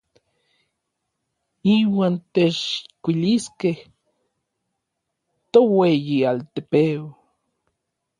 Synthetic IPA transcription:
iwaːnt̪et͡ʃkʷiliskeh | t̪owejialt̪epeo

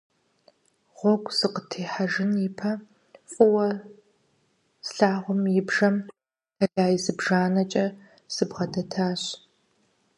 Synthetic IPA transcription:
ʁʷɔɡʷʼzɨqətʰeːħaʒɪnjɪpʰɐ | fʼʊwɐ | sɬaːʁʷʊmjɪbʒɐm | dɐɮaːjɪzɨbʒaːnɐt͡ʃʼɐ | sɨbʁɐdɐtʰaːɕ

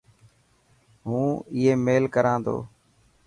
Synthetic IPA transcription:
ɦũːɪɦeːmeːlkəɾãːnd̪o̰ː

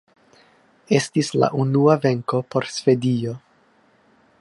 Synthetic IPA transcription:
e̞stisla̰ʔunuave̞ŋko̞po̞ɾsve̞dio̞

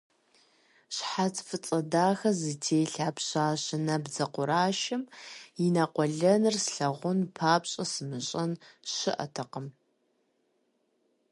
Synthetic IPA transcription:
ɕħat͡sʰfɨt͡sʼɐdaːxɐzɨtʰeːɬaːpɕaːɕɪnɐbzɐqʷʊɾaːʃɪmjinɐqʷɔɮɐnɨrsɬɐʁʷʊnpʰaːpɕʼɐsɨmɨɕʼɐnɕɪ̰ʔɐ̰tʰɐqəm

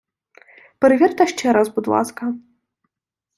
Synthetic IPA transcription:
pɾɨvʲɛrt̪ɐʃt͡ʃɛɾazbud̪lˠa̰skɐ

